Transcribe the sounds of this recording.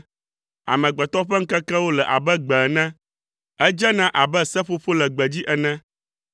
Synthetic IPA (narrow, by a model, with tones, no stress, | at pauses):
a̰˨mɛ̃˨ɡ͡bɛ˨t̪ɔ˦ɸɛ˦ŋ̩˦kɛ˦kɛ˦wo˦lɛ˨ʔa̰˨bɛ˦ɡ͡bɛ˨nɛ̃˦ | ɛ˦d͡ʒɛ˦nã˦ʔa˨bɛ˦sɛ˦ɸo˦ɸo˦lɛ˨ɡ͡bɛ˨d͡ʑi˦ʔɛ˨nɛ̃˦